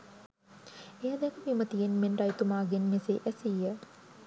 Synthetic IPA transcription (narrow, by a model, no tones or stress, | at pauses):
ejad̪ɛkəʋimət̪ijenmenʈɐjt̪umaːɡenmeseʔæsijə